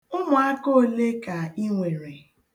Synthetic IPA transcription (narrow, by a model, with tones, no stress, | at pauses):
ʊ˦mʊ˨a˦ko˦le˦ka˨i˦ŋʷe˨ɾe˨